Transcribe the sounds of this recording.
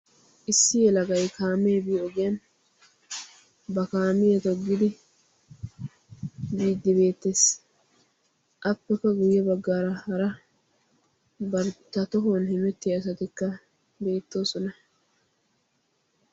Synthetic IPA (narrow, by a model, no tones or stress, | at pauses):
ʔɪsːɪjɛlɐɡɐjkʰaːmeːbiːɔɡeɐn | bɐkaːmɪjɛt̪ɔɡːɪd̪ɪ | biːd̪ːɪbe̞ːt̪ːeːs | ʔɐpːɛkːɐɡʊjːɛbɐɡːaːɾɐhɐɾɐ | bɐɾt̪ːɐt̪ɔɦonhɛmɛt̪ːɪjɐs̬ɐt̪ɪkːɐ | be̞ːt̪ːo̞ːsɔnɐ